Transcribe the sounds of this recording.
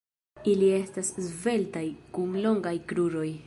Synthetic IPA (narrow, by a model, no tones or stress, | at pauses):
ilie̞staszve̞ltajkunlo̞ŋɡajkɾuɾo̞j